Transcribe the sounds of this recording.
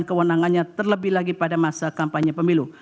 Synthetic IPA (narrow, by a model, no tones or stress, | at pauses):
nkəwənaŋanɲat̪ərləbɪhlaɡipadamasakampaɲapəmilu